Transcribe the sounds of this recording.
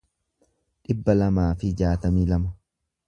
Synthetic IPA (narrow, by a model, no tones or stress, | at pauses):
ᶑɪbːɐlɐmaːfɪd͡ʒaːt̪ɐmiːlɐmɐ